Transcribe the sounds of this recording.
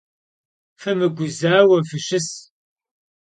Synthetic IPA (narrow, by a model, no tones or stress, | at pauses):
fɐmɨɡʷʊzaːwɐfɨʃɨs